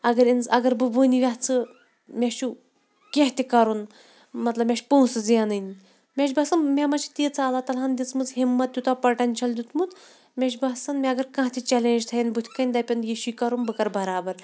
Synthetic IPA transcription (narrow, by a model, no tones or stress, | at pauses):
ɐɡɐɾinzɐɡɐɾbɨbɨnʲiʋʲaɦt͡sʰɨ | mʲeʃʰu | kʲeɦt̪ʲikɐɾun | mɐt̪lɐbmʲeʃpõːũsɨzjanɨnʲ | mʲeʃbɐsɐnmʲemɐt͡ʃʰt̪iːt͡sʰaɐlat̪ɐland̪ʲit͡smɨt͡sɦimːɐt̪̚ːʲut̪apɐʈɐnʲt͡ʃʰɐld̪ʲut̪ʰmut̪ | mʲeʃbɐsɐnmʲɛɐɡɐɾkɐ̃ɦt̪ʰʲit͡ʃɛleːnʲd͡ʒt̪ʰɐjɐnbut̪ʰʲkɐnʲd̪ɐpʲɐnjiʃuːkɐɾunbɨkɐɾbɐɾaːbɐɾ